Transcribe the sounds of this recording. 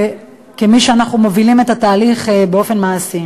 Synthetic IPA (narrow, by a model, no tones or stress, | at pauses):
kemiʃeanaχnumo̞vilime̞t̪at̪aːliχbeo̞fe̞nmaːsi